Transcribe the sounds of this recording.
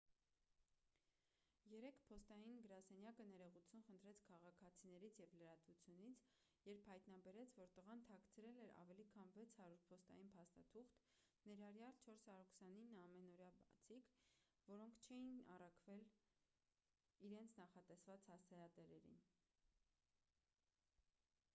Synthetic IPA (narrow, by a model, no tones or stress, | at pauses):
jɛɾɛkpʰɔst̪ɑjinɡəɾɑsɛnjɑkənɛɾɛʁut͡sʰjunχənt̪ʰɾɛt͡sʰkʰɑʁɑkʰɑt͡sʰinɛɾit͡sʰjɛvləɾɑt̪vut͡sʰjunit͡sʰ | jɛɾpʰhɑjt̪nɑbɛɾɛt͡sʰvɔɾt̪əʁɑnt̪ʰɑkʰt͡sʰɾɛlɛɾɑ̰vɛlikʰɑnvɛt͡sʰhɑɾuɾ̚pʰɔst̪ɑ̰jinpʰɑst̪ɑt̪ʰuχt̪ | nɛɾɑrjɑlt͡ʃʰɔɾshɑɾuɾkʰsɑninːɑmɛnɔɾjɑbt͡sʰik | vɔɾɔŋkʰt͡ʃʰɛjinɑrɑkʰvɛl | iɾɛnt͡sʰnɑχɑt̪ɛsvɑt͡shɑst͡sʰɛɾɑt̪ɛɾɛɾḭn